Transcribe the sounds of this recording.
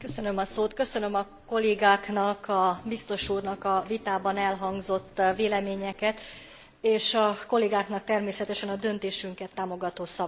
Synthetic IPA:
køsø̞nø̞mɒsoːt̪kø̞sø̞nø̞mɒ | ko̞lːeːɡaːknɒkɒbist̪o̞ʃuːrnɒkɒvit̪aːbɒnɛlɦɒŋɡzo̞t̪ːveːlɛmeːɲɛkɛt̪ | eːʃɒko̞lːeːɡaːknɒk̚t̪ɛrmeːsɛt̪ɛʃɛnɒd̪ø̞nt̪eːʃyŋkɛt̪ːaːmo̞ɡɒt̪oːsɒb

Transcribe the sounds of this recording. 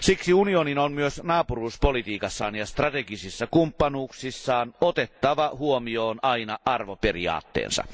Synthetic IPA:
siksiunioninonmyøsnɑːpuruːspolit̪iːkɑsːɑːnjɑst̪rɑt̪eɡisisːɑkumpːɑnuːksisːɑːnot̪et̪ːɑʋɑhuomioːnʔɑinɑʔɑrʋoperḭɑ̰ːt̪ːḛːnsɑ̰

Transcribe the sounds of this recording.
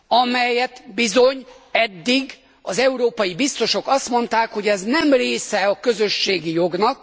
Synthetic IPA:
ɒmɛjɛt̪bizo̞ɲɛd̪ːiɡ | ɒzɛuɾoːpɒjibist̪o̞ʃo̞kɒst̪mo̞nt̪aːkho̞ɟɛznɛmreːsɛɒkø̞zøʃːeːɡijo̞ɡnɒk

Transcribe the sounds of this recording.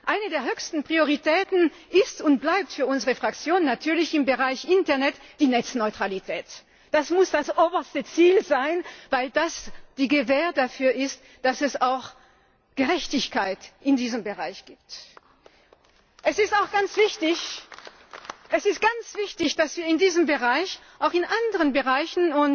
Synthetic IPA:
ʔaɪnədeːɐhøːçstn̩pʁ̥ioʁitʰɛːtn̩ | ʔɪstʊnt̚b̥laɪp̚tfyːɐʊnzəʁəfʁ̥akt͡sjoːnnːatʰyːɐlɪçɪmbəʁaɪçʔɪntɛɐnɛtd̥iːnɛt͡snɔʏtʁ̥alitʰɛːt | d̥asmʊsd̥asʔoːbɐstət͡siːlzaɪnvaɪldasd̥iːɡəvɛːɐdafyːɐʔɪst | d̥asɛsaʊx | ɡ̥əʁɛçtɪçkʰaɪtʔɪndiːzəmbəʁaɪçɡ̥iːp̚t | ʔɛsɪstaʊxɡ̥ant͡sv̥ɪçtɪç | ʔɛsɪst̚ɡ̥ant͡sv̥ɪçtɪçd̥asv̥iːɐɪndiːzəmbəʁaɪçʔaʊxɪnʔandəʁənbəʁaɪçn̩ʊn

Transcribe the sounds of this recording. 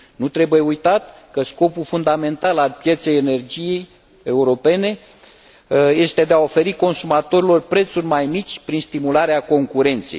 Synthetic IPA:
nut̪ɾe̞buje̞ujt̪at̪̚ | kəsko̞pulfund̪ame̞nt̪alalpje̞t̪se̞jene̞rd͡ʒije̞j | euɾo̞pe̞ne̞ | je̞st̪e̞d̪e̞ao̞fe̞ɾiko̞nsumat̪o̞ɾilo̞rpɾe̞t̪surʲmajmit͡ʃʲpɾinst̪imulaɾeako̞ŋkuɾe̞nt̪sḛj

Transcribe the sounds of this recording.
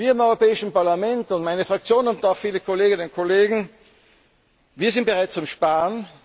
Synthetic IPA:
viːɐɪmɔʏʁopɛːɪʃn̩paɐlamɛntʊntmaɪnəfʁ̥ak̚t͡sjoːnnʊntaʊxfiːləkʰoleːɡɪnənʊnkʰoleːɡŋ̩ | viːɐzɪnt̚b̥əʁaɪtt͡sʊmʃpaːən

